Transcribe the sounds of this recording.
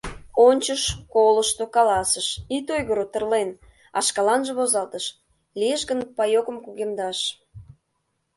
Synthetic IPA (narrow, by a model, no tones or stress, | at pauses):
onʲt͡ɕəʃkoləʃt̪okɑlɑsəʃit̪ojɣəɾot̪ərlen | ɑ̰ʃkɑlɑnʒĕβozɑlt̪əʃ | liəʃɡənpɑjokəmkuɣemd̪ɑʃ